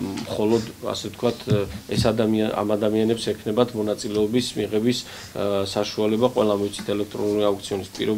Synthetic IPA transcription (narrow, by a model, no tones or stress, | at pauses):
mχɔlɔd̪a̰sɛt̪̚ʰkʰwat̪ʰɛsad̪amia̰mad̪amianɛpsɛkʰnɛbat̪ʰmɔnat̪sʼilɛɔbismiʁɛbis | saʃualɛbaqʼwɛlˠamit̪sʰi̥t̪ʰɛlɛk̚ʰt̪ʼɾɔnuliauk̚t̪sʰiɔnispʼḭɾɔ